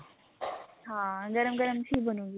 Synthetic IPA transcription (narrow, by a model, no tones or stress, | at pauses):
ɦaːɡɐɾəmɡəɾəmt͡ɕʰiːbʱənũːɡi